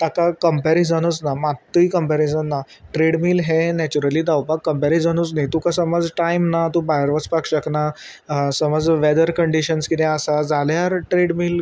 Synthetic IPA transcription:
t̪akakəmpɛɾid͡zʱəñut͡snamat̪ːijkəmpɛɾid͡zənːaʈɾeɽmiːlɦenɛt͡ɕuɾəliːd̪awpakːəmpɛɾid͡zəñut͡snajt̪ukasəməd͡zʈajmnat̪ũbajəɾʋət͡spakɕəkna | səməd͡zʋɛd̪əɾkəɳɖiɕənskit̪ɛ̃əsad͡zaljaɾʈɾeɽmiːl

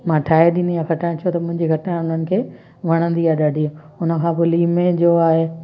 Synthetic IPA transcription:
mãːʈʰaːeɗĩnd̪iaːxɐʈaːɪ̃t͡ɕʰot̪ɐmʊ̃ɦɪ̃ɲd͡ʑiɡʱɐʈnãʊn̤ənɪ̆kʰeː | ʋɐɽ̃ə̃nd̪iaːɦeɗaːɖʱiː | ʊnə̆kʰãːpʊliːmẽd͡ʑoaːɦe

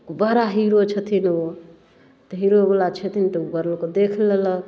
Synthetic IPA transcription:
bəɾaɦiɾot͡ʃʰət̪ʰino | t̪əɦiɾobəlat͡ʃʰət̪ʰint̪əbəɾlkod̪ekʰlələ

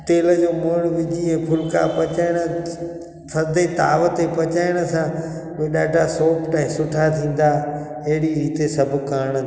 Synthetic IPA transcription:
ʈeːləd͡ʑoːmʊɽ̃ʋɪd͡ʑiɛ̃ːpʰʊlka̰pɐt͡ɕaːɪɽ̃ə | pʰɐɾd̪et̪a̰ːʋət̪epɐt͡ɕaːɪɽ̃ə̆sã | ʋeɗaːʈasoːpʈãːĩsʊʈʰat̪ʰĩːn̆d̪aː | ɐɦɪɽiɾiːt̪esɐbʱʊkaːɽ̃

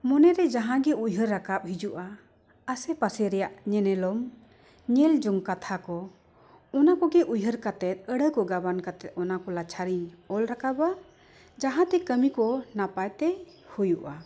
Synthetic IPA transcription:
mɔnɛɾɛd͡ʒaɦãɡɛujɦəɾːakap̚hid͡ʒuʔa | asɛpasɛɾɛjaʔɲɛnɛlɔm | ɲɛld͡ʒɔŋkat̪ʰakɔ | ɔnakɔɡɛʔujɦəɾkat̪ɛt̪̚ˀəɽəkɔɡabankat̪ɛt̪̚ɔnakɔlat͡ʃʰaɾiɲɔlɾakaba | d͡ʒaɦãt̪ɛkəmikɔnapajt̪ɛhujuʔa

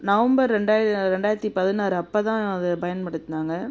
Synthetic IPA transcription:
nɐʋɐmbɐɾɾɛɳɖaːjɪɾɾɛɳɖaːjɾɐt̪ːipɐðɪnaːɾɯɐpːɐt̪ãːɐðɯpɐjɐnpɐɽɯt̪ːnaːŋɡɐ

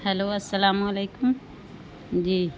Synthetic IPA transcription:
hɐloːɐsːɐlaːmuɐleːkʊm | d͡ʒiː

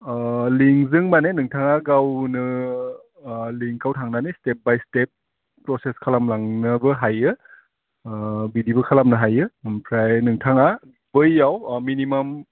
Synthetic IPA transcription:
liŋzɯŋmanenɯŋtʰaŋaɡawnɯ | liŋkawtʰaŋnanestep̚bajstep̚ː | ɾɔseskʰalamlaŋnɯbɯɦajɯ | bidibɯkʰalamnɯɦajɯpʰɾajnɯŋtʰaŋa | bɯjːawminimam

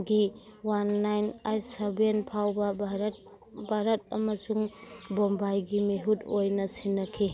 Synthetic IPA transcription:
ɡiwanːajnajsabenpʰawbɐbɾ | bʱaɾɐt̚ɐ̰mɐsuŋbombajɡimiɦutojnɐsinːɐkʰi

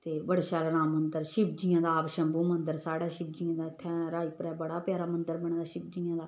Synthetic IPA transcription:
t̪eːbəɽʃaːɾənaːmənd̪əɾʃɪbd͡ʒijãːd̪aːpʃəmbuːmənd̪əɾsaːɽaːʃɪb̚d͡ʒiːãːd̪aːɪt̪ʰːɛ̃ːɾaːiːpɾɛːbəɽaːpjaːɾaːmənd̪əɾbəɳ̃ːd̪aːʃɪb̚d͡ʒiːãːd̪aː

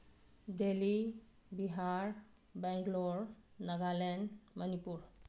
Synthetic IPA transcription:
deli | biɦaɾ | bɛŋklɔɾnaɡalenmənipuɾ

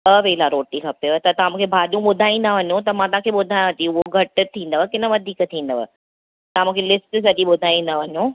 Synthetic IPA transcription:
əʋelaɾoːʈikʰɐpet̪ɐt̪ɐɦãmũːkʰebʱaːɗijũɓʊd̪ʱaːĩːnd̪aʋɐɲõt̪ɐmãt̪ɐɦãkʰeɓʊd̪ʱaːj̃t̪iʊɦoɡʱɐʈʊ̆t̪ʰĩːn̆d̪əʋkɪnə̆ʋɐd̪ʱiːkt̪ʰĩːn̆d̪əʋə̰ | t̪ɐãmũːkʰelɪsʈs̬ɐɗiɓʊd̪ʱaːĩːn̆d̪aʋɐɲo

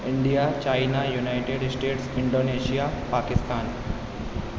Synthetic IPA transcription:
ɪɳɖijat͡ɕaːjnajunaɪʈeɖsʈeːʈsɪɳɖoːneːʃijapaːkɪst̪aːn

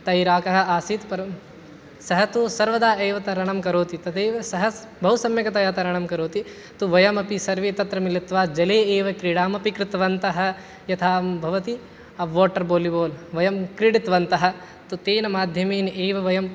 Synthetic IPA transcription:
t̪ɐjɾaːkɐɦɐ̆aːsiːt̪pɐɾɐ | sɐɦɐt̪usɐɾʋɐd̪aːʔeːʋɐt̪ɐɾɐɳɐmkɐɾoːt̪it̪ɐd̪eːʋɐsɐɦɐ | bʱɐɦusɐmjɐkɐt̪ɐjaːt̪ɐɾɐɳɐmkɐɾoːt̪i | t̪uʋɐjɐmɐpisɐɾʋeːt̪ɐt̪ɾɐmilɐt̪ʋaːd͡ʒɐleːeːʋɐkɾiɽaːmɐpikɾɪt̪ʋɐnt̪ɐɦɐ̆ | jɐt̪ʰaːmbʱɐʋɐt̪i | ɐʋoːʈːɐɾboːliboːlʋɐjɐmkɾiɽit̪ʋɐnt̪ɐɦɐ̆ | t̪ut̪eːnɐmaːd̪ʱjɐmeːneːʋɐʋɐjɐm

